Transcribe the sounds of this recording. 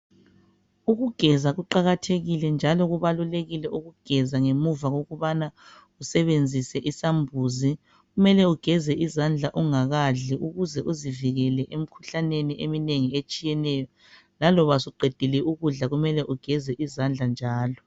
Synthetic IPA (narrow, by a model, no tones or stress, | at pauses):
uɣuɡ̥ʱɛzaɣuǃaɣatʰeɣilɛnd͡ʒʱalɔɣuβaluleɣilɛuɣuɡ̥ʱɛzaŋemuvaɣoɣuβana | usɛβend͡zʱisɛʔisambʱuːzi | ɣumɛlɛuɡ̥ʱɛzɛʔizand͡ɮʱaʔuŋaɣaɮiʔuɣuzɛʔuziviɣɛlɛʔem̩kʰu̥ɬaneniʔemineŋiet͡ʃʼijɛnɛjɔ | lalɔβasiɡ͡ǃʱed̥ʱilɛuɣuɮaɣumɛlɛʔuɡ̥ʱɛzɛʔizand͡ɮʱand͡ʒʱaːlɔ